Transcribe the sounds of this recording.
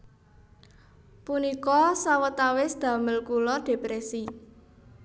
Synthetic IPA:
punikɔsawət̪awɪsd̪̥ä̤məlkulɔɖ̥e̤pɾɛsi

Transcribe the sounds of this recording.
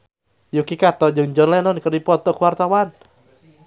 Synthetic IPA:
jukikat̪ɔd͡ʒɨŋd͡ʒɔnlɛnɔnkərdipɔt̪ɔkuwart̪awan

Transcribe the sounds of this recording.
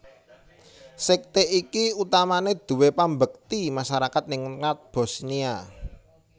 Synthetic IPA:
sɪk̚t̪eʔikiut̪amaned̪̥ṳwepambək̚t̪imaʃaɾakat̪̚nɪŋnat̪̚b̥o̤snia

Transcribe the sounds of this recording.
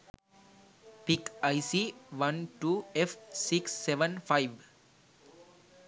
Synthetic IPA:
pikaɪsiːʋʌ̃nʈuːefsiksːeʋə̃nfaɪʋ

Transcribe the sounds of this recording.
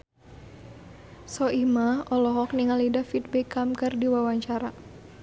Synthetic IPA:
sɔimaʔɔlɔɦɔkniŋalidafit̪̚bɛkamkɨrdiwawaɲt͡ʃaɾa

